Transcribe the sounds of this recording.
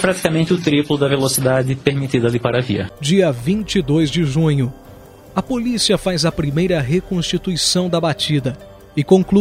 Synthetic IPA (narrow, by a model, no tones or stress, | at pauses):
pɾat̪i̥kamẽnt͡ʃ̪ɪʊt̪ɾiplʊd̪ɐvelosid̪ad͡ʒ̪ɪpeɾmit̪id̪ɐalipaɾɐvḭɐ̰d͡ʒiɐvĩnt͡ʃid̪ojzd͡ʒɪʒũɲʊ | ɐpolisiɐfazɐpɾimejɾɐɦekõst͡ʃit̪uisɐ̃w̃d̪ɐbat͡ʃid̪ɐ | ɪkõŋklu